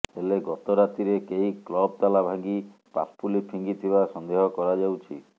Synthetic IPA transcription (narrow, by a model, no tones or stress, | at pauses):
eleɡɔt̪ɔɾat̪iɾekeiklɔb̚t̪alabʱaɡi | pa̰ppulipʰiŋɡit̪ʰibasɔnd̪eɦɔkɔɾad͡ʒawt͡ʃʰi